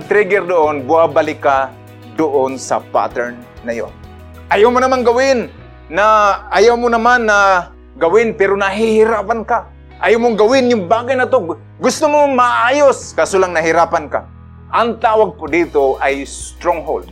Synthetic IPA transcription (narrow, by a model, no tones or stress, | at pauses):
ɡ̚t̪ɾɛɡɛɾd̪ʊʔonbʊabalɪka | d̪ʊʔonsa̰pa̰t̪ɛɾnːajo̰n | ʔajawmʊnɐmaŋɡawɪnː | aːjawmʊnɐmanːa | ɡawɪnpɛɾonaɦɪhɪɾaːpanka | ʔajawmʊŋɡawɪnjʊŋbaːɡajnɐt̪o | ɡʊst̪ʊmomaʔaːjoskaːsolaŋnɐɦɪɾaːpanka̰ | ʔaŋt̪aːwaɡ̚pʊd̪it̪oʔajst̪ɾoŋɦo̰ld̪̚